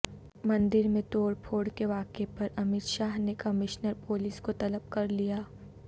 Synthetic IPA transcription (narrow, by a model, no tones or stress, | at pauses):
mɐ̃nd̪ɪɾmẽt̪oːɾpʰoːɽkeʋaːkepɐɾɐmɪt̪ʃaːɦnekɐmɪʃnəɾpoːlɪːskot̪ɐləb̚kɐɾlijaː